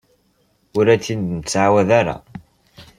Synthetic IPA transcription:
ʊɾæt͡sːind̪nt͡sːʕawæðaɾa̰

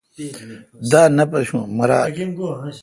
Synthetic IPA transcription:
d̪aːnɐpɐɕũmɐɾaː

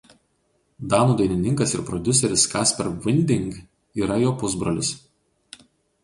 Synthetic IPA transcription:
d̪ɑːnuːd̪ɐɪnʲɪnʲɪŋkɐsɪɾpɾɔd̪ʲʊsʲɛɾʲɪskɑːsʲpʲɛɾʋʲɪnʲd̪ʲɪŋɡ | iːɾɐjoːpʊzbɾɐlʲɪs

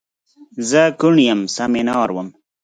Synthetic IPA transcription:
zəkuɳjəmsaminɑːɾwəm

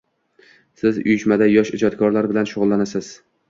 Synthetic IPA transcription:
sɪzʊ̰jɪʃmad̪ajɒʃɪ̰d͡ʒɒt̪kʰɒɾlaɾbɪlanʃʊʁʊlˠːanasɪz̥

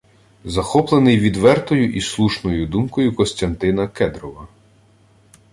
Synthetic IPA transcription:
zɐxɔplˠenɪjʋʲid̪ʋɛrt̪ɔjʊʔislˠuʃnɔjʊd̪umkɔjʊkɔsʲt̪ʲɐnt̪ɪnɐkɛd̪ɾɔʋɐ

